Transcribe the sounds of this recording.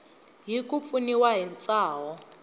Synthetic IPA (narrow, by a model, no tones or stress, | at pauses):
ɦikup̪funiwaɦint͡sʼaːɦɔ